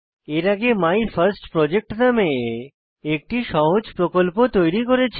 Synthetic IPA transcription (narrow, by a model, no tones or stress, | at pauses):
eɾaɡemajfʰɐɾsʈpɾɔd͡ʑek̚ʈname | ek̚ʈiʃɔɦod͡ʑpɾokolpot̪ojɾikoɾet͡ɕʰ